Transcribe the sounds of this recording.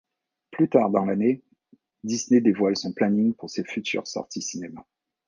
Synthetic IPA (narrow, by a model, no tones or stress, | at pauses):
plyt̪aʁd̪ɑ̃lane | d̪isned̪evwalsɔ̃planiŋpuʁsefyt̪ʰy̰ʁsɔ̰ʁt̪ʰisinema